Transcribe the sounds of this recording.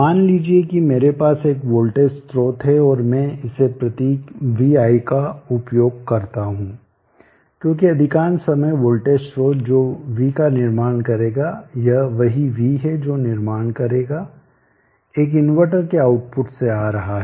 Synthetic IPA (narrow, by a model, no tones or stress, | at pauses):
maːnliːd͡ʒiekimeːɾepaːseːkʋoːlʈeːsʈɾoːt̪ɦɛɔːɾmɛ̃ɪsepɾɐt̪iːkʋiaːikaʊpjoːɡ̚kɐɾt̪aɦũː | kjõːkiɐd̪ʱɪkaːnsɐməjʋoːlʈeːsɾoːt̪d͡ʒoːʋikanɪɾmaːɽ̃kɐɾeːɡajɐʋɐɦiʋiɦɛd͡ʒoːnɪɾmaːɽ̃kɐɾeːɡa | eːkɪnʋəʈəɾkeaːʊʈpʊʈseaːɾɐɦaɦɛ